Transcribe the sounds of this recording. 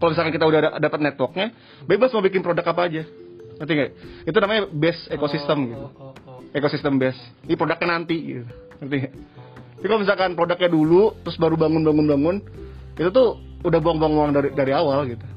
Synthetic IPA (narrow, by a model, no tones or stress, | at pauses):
kalomisalkankit̪audadapət̪̚nɛt̪wɔk̚ɲa | bebasmabikɪnpɾodakapaːd͡ʒanənt̪̬iŋɡait̪unamaɲabɛsekosist̪əmɡit̪uekosist̪əmbɛs | pɾodak̚ɲanant̪iɡḭt̪unənt̪̬iŋaapikalomis̬alkanpɾodak̚ɲadulut̪ɾʊsbaɾubaŋʊnbaŋʊnbaŋʊnit̪ut̪ʊudahbuaŋbuaŋuaŋdaɾidaɾiawalɡit̪u